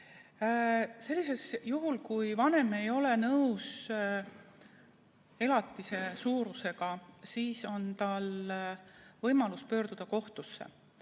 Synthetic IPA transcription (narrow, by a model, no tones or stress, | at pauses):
se̞lʲːise̞sjuɦulkujvɑne̞me̞jo̞le̞nɤws | e̞lɑt̪ːˑise̞suːɾuse̞ɡ̥ɑsiːso̞nt̪ɑl | vɤjmɑluspø̞ːɾd̪̥ud̪̥ɑko̞ht̪usːḛ